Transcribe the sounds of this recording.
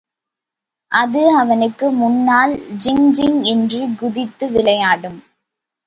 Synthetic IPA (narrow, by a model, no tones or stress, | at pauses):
ʔɐðɯɐʋɐnɯkːɯmʊnːaːld͡ʒɪŋd͡ʒɪŋɛndrɯɡʊðɪt̪ːɯʋɪlɐjaːɽɯm